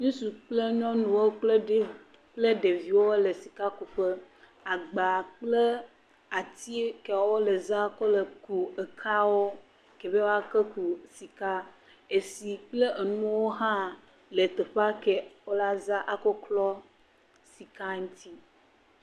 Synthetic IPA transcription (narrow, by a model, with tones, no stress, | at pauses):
ɲũ˦su˨k͡ple˦ɲɔ̃˦nũ˨wo˦k͡pl | k͡ple˦ɖe˨vi˦wo˦le˨si˨ka˦ku˨ɸə˦ | a˨ɡ͡ba˨k͡plə˦ | a˨t̪i˦kɛ˨wwo˦le˨za˦ko˦lə˨ku˨e˨kʰa˦wo˦ | ke˨be˦wo˦a˦kə˦ku˨si˨ka˦ | e˨si˨k͡ple˦ʔe˨nũ˦wo˦ɦã˦ | le˨t̪e˨ɸa˦ke˨wo˦la˦za˦ʔa˨kɔ˦klɔ˦ | si˨ka˦ŋũ˦t̪i˦